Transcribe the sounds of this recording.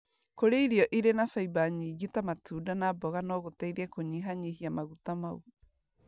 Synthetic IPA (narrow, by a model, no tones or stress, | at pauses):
koɾeiɾiɔʔiɾenafaibaɲiːɣitamatuːdanaːbɔɣanɔɣotaiɾɛkoɲiɦaɲiɦiamaɣutamau